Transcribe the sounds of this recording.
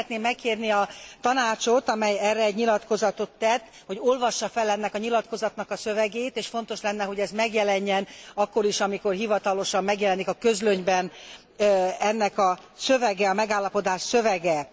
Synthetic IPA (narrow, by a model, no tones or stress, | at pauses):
t̪neːmːɛkːeːrniɒt̪ɒnaːt͡ʃo̞t̪ɒmɛjɛrːɛɛɟɲilɒt̪ko̞zɒt̪ot̪ːɛt̪ː | ho̞ɟo̞lvɒʃːɒfɛlːɛnːɛkɒɲilɒt̪ko̞zɒt̪nɒkɒsøvɛɡeːt̪eːʃfo̞nt̪o̞ʃlɛnːɛɦo̞ɟɛzmɛɡjɛlɛɲːɛnɒkːo̞ɾiʃɒmiko̞rɦivɒt̪ɒlo̞ʃɒmːɛɡjɛlɛnikɒkø̞zløɲbɛn | ɛnːɛkɒsøvɛɡɛɒmɛɡaːlːɒpo̞d̪aːʃsøvɛɡɛ